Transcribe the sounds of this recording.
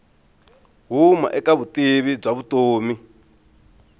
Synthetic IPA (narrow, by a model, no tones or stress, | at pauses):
ɦuma̰ʔɛkaβutiβib͡ʐaβutoːmi